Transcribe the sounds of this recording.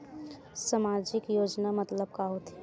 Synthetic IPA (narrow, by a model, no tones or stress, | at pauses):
samaːɾd͡ʒɪkjoːd͡ʒnamət̪ləb̚kaɦot̪ʰɛ